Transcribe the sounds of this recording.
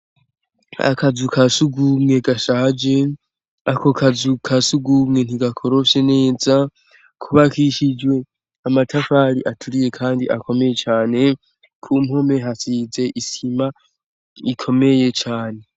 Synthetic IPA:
a̰kazukʰasuɡumŋe̞ɡaʃad͡ʒe̞ | ako̞kʰazukʰasuɡumŋe̞n̥iɡakʰo̞ɾo̞ʃene̞ːza | kʰuβakiʃid͡ʒwe̞ | amatʰafaɾiʔatʰuɾije̞kʰaːndiʔa̰kʰo̞me̞je̞t͡ʃaːne̞ | kʰumho̞me̞ɦasiːze̞ʔisima | ikʰo̞me̞je̞t͡ʃaːne̞

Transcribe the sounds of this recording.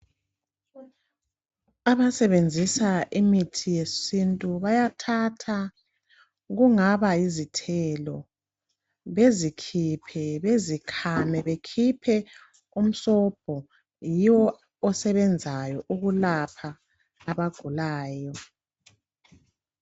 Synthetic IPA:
aβasɛβend͡zʱisaʔimitʰijesintʼuβajatʰatʰa | ɣuŋaβaizitʰɛlɔ | βezikʰipʰɛβezikʰamɛβekʰipʰɛ | um̩sɔb̥ʱɔ | jiwɔː | sɛβɛnd͡zʱajɔʔuɣulapʰaː | βaɡ̥ʱulaːjɔ

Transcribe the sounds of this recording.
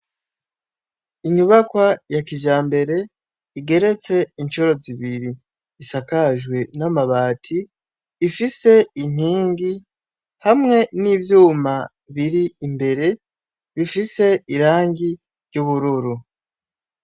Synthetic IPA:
iɲuβakwajakiʒaːmbe̞ɾe̞ | iɡe̞ɾe̞t͡se̞int͡ʃoɾo̞ziβiɾiː | sakaʒɡwe̞namaβaːtʰiː | fise̞in̥iːŋɡi | hamŋe̞nivjuːma | βiɾiːmbe̞ɾe̞ | βifise̞iɾaːŋɡi | ɾɟuβuɾuɾu

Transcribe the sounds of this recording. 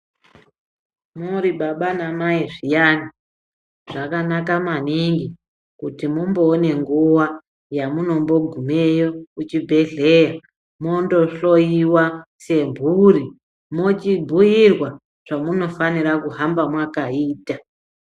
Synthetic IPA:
muɾiɓaɓanamaiʐijani | ʐ̥akanakamaniŋɡi | kutimumbo̞ːne̞ŋɡuwa | jamuno̞mbo̞ɡʱumejo̞ut͡ʃibʱe̞ɮe̞ja | mo̞ndo̞ɬo̞jiwase̞mbʱuri | mot͡ʃibʱujirwa | ʐ̥amuno̞faniɾakuɦambamwakaiːta

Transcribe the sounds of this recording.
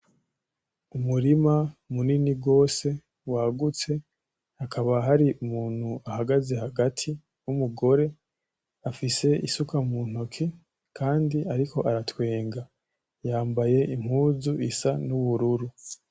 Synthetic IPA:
umuɾimamuniniɡo̞ːse̞ | waːɡut͡se̞ | hakʰaβaɦaɾiʔumuːn̥huahaɡaze̞haɡatʰi | umuɡo̞ɾe̞ | afise̞isukʰamun̥okʰi | kʰaːndiaɾikʰo̞ʔaɾatwe̞ːŋɡa | jaːmbaje̞ʔim̥huːzuʔisanuβuɾuɾu

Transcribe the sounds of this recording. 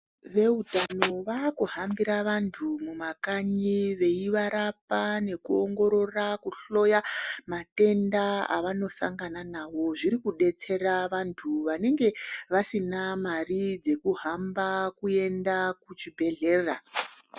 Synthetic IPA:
ʋe̞utano̞ʋakuɦambiɾaʋantʰumumakaɲiʋe̞iʋaɾapane̞kuoŋɡo̞ɾo̞rakuɬo̞jamate̞ndaa̰ʋano̞sa̰ŋɡananaʋo̞ʐiɾikuɗe̞t͡se̞raʋantʰuʋane̞ŋɡe̞ʋasinamarid͡ze̞kuɦambakue̞ndakut͡ʃibʱe̞ɮe̞ːra

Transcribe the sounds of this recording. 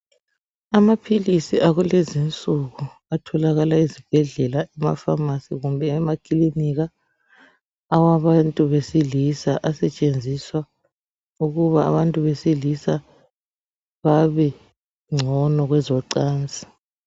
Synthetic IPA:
amapʰilisiʔaɣulezint͡sʼuɣu | atʰɔlaɣalaizib̥ʱɛɮɛlaʔɛma̰famasiɣumbʱɛːmakʼiliniɣa | waβantʼuβesilisaʔasɛt͡ʃʼend͡zʱiswa | uɣuβa̰ːβantʼuβesilisa | βaβɛ | ŋ͡ǀʱɔnɔɣwɛzɔǀaːnt͡sʼi̥

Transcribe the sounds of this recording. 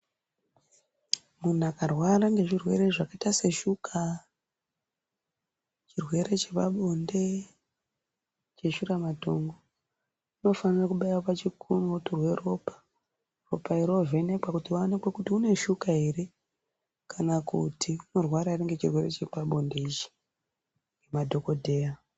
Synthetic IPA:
mun̤akarwaɾaŋɡe̞ʐirwe̞̰ɾeʐakaitase̞ʃukʰa | t͡ʃirwe̞ɾe̞t͡ʃepaɓo̞nde̞ | t͡ʃe̞ʃuɾamato̞ŋɡo | uno̞fanirakuɓajopat͡ʃikʰunoturwe̞ro̞pḁ | ro̞paiɾo̞ve̞ne̞kwakutiʋanekwekutiune̞ʃukaiɾe | kʰanakutʰiuno̞rwaɾaire̞ŋɡe̞t͡ʃirwe̞ɾe̞t͡ʃe̞paɓo̞nde̞it͡ʃi̥ | ŋɡe̞madʱo̞ko̞dʱe̞ːa

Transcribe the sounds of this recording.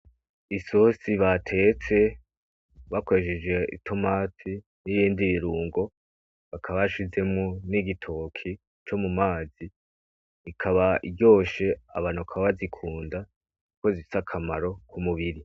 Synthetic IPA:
isosiβatʰe̞t͡se̞ | βakoeʃed͡ʒɡe̞ʔḭtʰo̞matʰi | nijiːndiβiɾuːŋɡo̞ | βakʰaβaʃize̞mŋoniɡitʰokʰi | t͡ʃo̞mumaːziː | kʰaβaiɟo̞ːʃe̞a̰βaːnuakʰaβaβazikʰuːnda | uko̞zifi̥sakʰama̰ɾo̞kʰumuβiɾi

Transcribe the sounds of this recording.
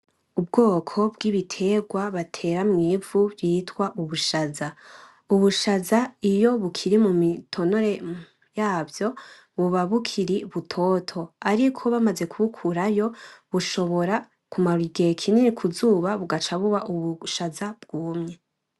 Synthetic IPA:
ub̚ɡoːkʰo̞bɡiβitʰe̞ɡwaβatʰe̞ːɾamŋiːvubjiːtwaʔuβuʃaza | uβuʃazaijo̞βukʰiɾimumitʰo̞no̞ɾe̞ | jaːvjo̞ | βuβaβukʰiɾiβutʰo̞tʰo̞aɾikʰo̞βamaze̞kʰuβukʰuɾajo̞βuʃo̞βo̞ɾa | kumaɾiɡekʰininikʰuzuːβaβuɡat͡ʃaβuβaʔuβuʃazab̚ɡ̥uːmɲe̞

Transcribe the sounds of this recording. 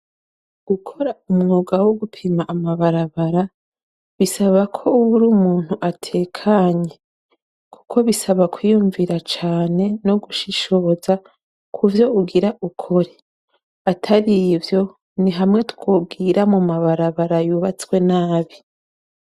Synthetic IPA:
ɡ̥ukʰo̞ɾaumŋoːɡawo̞ɡupʰimaʔːmaβaɾaβaɾa | βisaβakʰo̞uwuɾumuːn̥huʔatʰe̞ːkʰaɲe̞ | ku̥kʰo̞βisaβakwijuɱviɾat͡ʃaːne̞no̞ɡuʃiʃo̞za | kʰuvjo̞uɡiɾaʔukʰo̞ɾe̞ | atʰaɾivjo̞ | niɦamŋe̞tu̥kwoːbɡiɾamumaβaɾaβaɾajuːβat͡swe̞naːβi

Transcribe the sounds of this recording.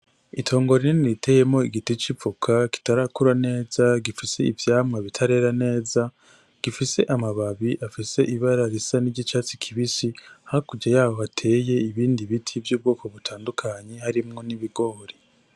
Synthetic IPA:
itʰo̞ːŋɡo̞ɾineniɾitʰe̞ːje̞mŋo̞iɡitit͡ʃivukʰaki̥taɾakuɾane̞ːzaɡifise̞ivjaːmŋaβitʰaɾe̞ɾane̞ːza | ɡ̥ifise̞ʔamaβaβiʔafise̞ʔiβaɾaɾisaniɟit͡ʃaːt͡sikʰiβisihakuɟajaːβo̞βatʰe̞ːje̞iβiːndiβitʰivjuːb̚ɡoːko̞βutʰaːndukʰaɲehaɾimŋo̞niβiɡo̞ɾi

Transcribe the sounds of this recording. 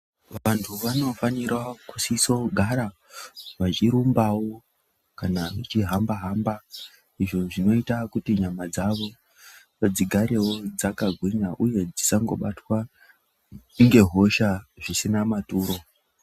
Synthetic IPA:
ʋantʰuʋano̞fanirwakusiso̞ɡʱaɾa | ʋat͡ʃiɾumbawo̞ | kanaʐit͡ʃiɦambaɦamba | iʐo̞ʐino̞itakutiɲamad͡zaʋo̞ | ʋad͡ziɡʱaɾe̞wo̞d͡zakaɡʱwiɲaʔuje̞d͡zisaŋɡo̞̰ɓatwa | iŋɡe̞ɦo̞ʃaʐisinamatuːɾo̞

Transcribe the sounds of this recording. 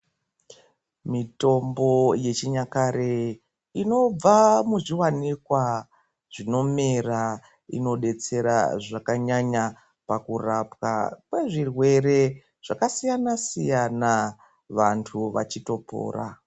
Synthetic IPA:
mito̞mbo̞je̞t͡ʃiɲakaɾe | ino̞b͡vamuʐiwanikwa | ʐ̥ino̞mera | ḭno̞ɗe̞t͡se̞ɾa̰ʐakaɲaɲa | pakurapka̰kwe̞ʐirwe̞ɾe̞ | ʐ̥akasijanasijana | ʋantʰuʋa̰t͡ʃito̞po̰ːra̰

